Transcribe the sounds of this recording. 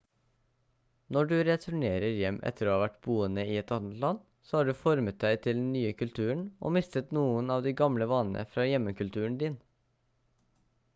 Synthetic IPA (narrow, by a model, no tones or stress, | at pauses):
nɔɖʉːɾɛt̪ʰʉɳeːɾəɾjɛmʔɛ̰t̪ʰəɾoːhɑːʋæʈb̥uːənəiːɛt̪ɑːnət̪lɑn | soːhɑːɖʉːfɔɾmət̪̚d̪æɪt̪ʰɪld̪nyːəkʰʉlt̪ʰʉːəɳʔo̰ːmɪst̪ət̪nuːənɑːʋd̪iːɡɑmləʋɑnə̰fɾɑːjɛməkʉlt̪ʰʉːəɳ̩d̪iːn